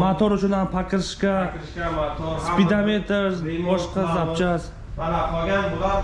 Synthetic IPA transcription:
mat̪ʰɔɾʊt͡ʃʰʊnanpʰakʲʰɨɾʃkʲa | spid̪amet̪ʰeɾzbɒʃqɑzapt͡ʃʰas

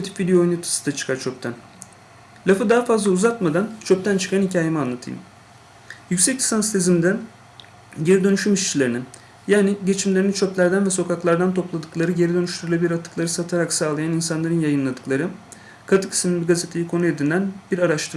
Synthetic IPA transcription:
kʰat̪ʰi̥pvid̪ejoojnut̪ʰɯ̥sɯ̥d̪at͡ʃʰɯ̥kʰaɾt͡ʃʰøp̚t̪ʰæn | lʲafɯd̪aːfazlˠauzat̪mad̪ant͡ʃʰøp̚t̪ʰænt͡ʃʰɯ̥kʰanhicʰaːjemianlˠat̪ʰɯ̰jɯ̰m | jycsɛcʲi̥sanst̪ʰezimd̪æn | ɟe̞ɾid̪ø̞nyʃymiʃt͡ʃʰilʲe̞ɾinin | jaːniɟe̞t͡ʃʰimlʲe̞ɾinit͡ʃʰøplʲæɾd̪ænvɛso̞kʰaklˠaɾd̪ant̪ʰo̞plˠad̪ɯklˠaɾɯɟe̞ɾid̪ø̞nyʃt̪ʰyɾulʲˠabiɾat̪ʰɯklˠaɾɯsat̪ʰaɾaksaːlˠajaninsanlˠaɾɯnjajɯnlˠad̪ɯklˠaɾɯ | kʰat̪ʰɯ̥kʰi̥siminbiɡazet̪ʰe̞jikʰo̞nue̞d̪iænbiɾaɾaʃt̪ʰɯɾ

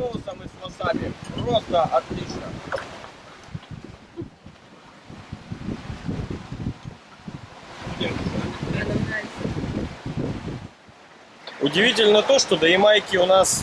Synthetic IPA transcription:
olˠɐsɐmɨspɐsabʲɪpɾost̪ɐʔɐt̪lʲit͡ʃnɐ | ud̪ʲɪmsat̪ʲɪɾʲanɐaj̪ | ʊdʲɪvʲitʲɪlʲnɐt̪oʂt̪od̪ɐɪmajkʲɪʊnas

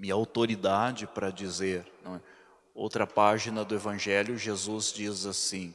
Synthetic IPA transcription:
miɐawt̪oɾid̪ad͡ʒɪpɾɐd͡ʒizeɾnɐ̃w̃ɛ | o̰wt̪ɾɐpaʒinɐd̪ʊevɐ̃ʒɛljʊʒezuzd͡ʒizasĩ

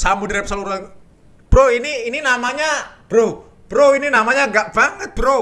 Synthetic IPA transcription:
sambudiɾap̚saluɾa | b̥ɾoiniːninamaɲab̥ɾo | b̥əɾoininamaɲaŋɡaʔb̥aŋət̪̚b̥əɾo

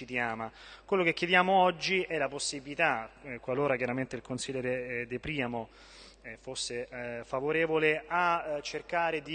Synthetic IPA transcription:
it̪jaːmakwelːokekʲːjed̪jaːmoɔd͡ʒːiʔɛlaposːibilit̪akːwaloːɾakjaɾament̪eilkonsiʎːɛːɾed̪epɾiːamo | ɛfosːefavoɾɛːvoleat͡ʃːerkaːɾed̪i

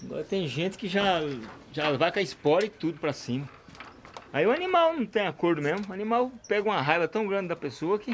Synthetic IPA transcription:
aɡɔ̰ɾɐt̪ẽj̃ʒẽt̪ɪ̥kɪʒaʒalvakɐispɔɾɐɪt̪ud̪ʊpɾɐsĩmɐ | aiʊɐnimawnɐ̃w̃t̪ẽj̃akoɾd̪ʊmezmʊɐnĩmawpɛɡɐũɐɦajvɐt̪ɐ̃w̃ɡɾɐ̃ndd͡ʒ̪ɪd̪ɐpesoɐkɪ

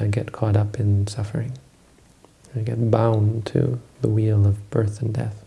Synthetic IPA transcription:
aɪɡɛt̚kʰɔɾʌpɨ̃nsʌfə˞ɪ̃ŋ | aɪɡɛt̚b̥ãʊ̃ntʰɨ̰ðəwilˠʌvb̥ɜ˞θn̩dɛ̰θ

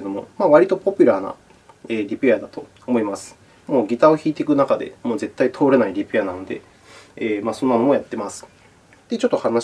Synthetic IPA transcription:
ed̪o̞mo̞maːβaɾʲit̪o̞po̞pʲɨ̟ɾaːna̰ | eːɾʲipejad̪at̪o̞ | omo̞imasɨ̥ | mo̞ːɡʲit̪ao̞çiːt̪e̞kɯ̟nakad̪e̞̰mo̞ːze̞t̪ːait̪ʰo̞ːɾe̞naiɾʲipɯjanano̞d̪e̞̰ | eːmaːsõ̞nːano̞mo̞jat̪ːe̞masɨ̥ | d̪̥e̞t͡ɕo̞t̪ːo̞hana

